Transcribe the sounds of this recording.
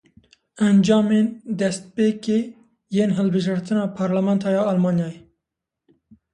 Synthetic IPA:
ɛnd͡ʒɑːmeːnd̪ɛst̪̚peːkeː | jeːnɦɨlbɨʒɑɾt̪ɨnɑːpʰɑːɾlamɛnt̪ʰɑːjɑːɑlmɑːnjɑːje

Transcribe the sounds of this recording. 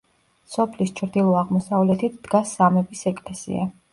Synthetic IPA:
sɔpʰlist͡ʃʰɾd̪ilˠɔaʁmɔsavlɛt̪ʰit̪ʰd̪̥ɡasːamɛbisɛkʼlɛsḭa̰

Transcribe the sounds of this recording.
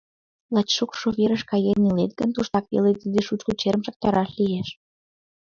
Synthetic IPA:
lɑt͡ɕʃokʃoβeɾəʃkɑjenilet̪̚ɡənt̪uʃt̪ɑkβḛlet̪id̪eʃut͡ɕkut͡ɕeɾəmʃɑk̚t̪ɑɾɑʃlieʃ

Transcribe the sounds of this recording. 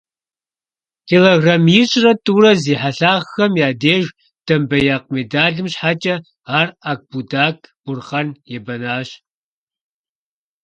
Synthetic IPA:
tʰeːloɣramiɕʼrɐtʼuːrɐziːħaɬaːʁxɐmjaːdeːʒ | d̥ɐmbɐjaːq̚medaːɮɨmɕħaːt͡ʃʼɐ | aːrak̚b̥udaːkʰʼb̥ʊrχɐnjɛbɐnaːɕ

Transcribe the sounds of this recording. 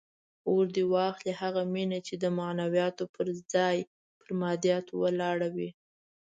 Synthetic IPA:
oɾd̪iwɑxlihaɣaminat͡ʃed̪əmanawjɑt̪opəɾd͡zɑj | pəɾmɑd̪ijɑt̪owəlɑɽawi

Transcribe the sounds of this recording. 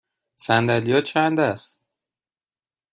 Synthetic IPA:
sænd̪ælijɒːt͡ʃʰænd̪æst̪

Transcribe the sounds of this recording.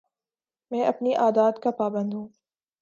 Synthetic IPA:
mɛ̃ːʔɐpniʔaːd̪aːd̪kapaːbə̃nd̪ɦũː

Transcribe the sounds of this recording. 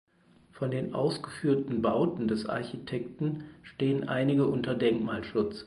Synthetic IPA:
fɔndeːnʔa̰ʊsɡ̥əfyːɐtn̩baʊtn̩dɛsʔa̰ɐçitʰɛktn̩ʃteːənʔa̰ɪnɪɡəʔʊntɐdɛŋkmaːlʃʊt͡s

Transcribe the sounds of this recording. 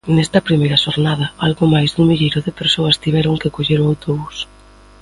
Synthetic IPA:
nɛst̪ɐpɾimejɾɐʃoɾnað̞ɐalɣomajzðuŋmiʎejɾʊðɪpeɾsoɐst̪iβɛɾʊŋkɪkoʎeɾoawt̪oβus

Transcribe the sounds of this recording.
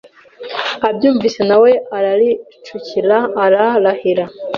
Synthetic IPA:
abjuːɱvise̞nawe̞aɾaɾi | t͡ʃuciɾaːɾaɾahiɾa

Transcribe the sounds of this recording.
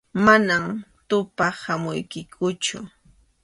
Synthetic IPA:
manamt̪ʊpahamʊjkɪkʰʊt͡ʃʊ̰

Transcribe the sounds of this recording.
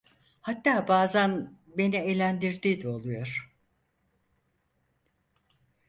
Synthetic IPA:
hat̪ːaːbaːzæn | be̞nielʲænd̪iɾd̪iːd̪ɛo̞lˠujo̞ɾ̥

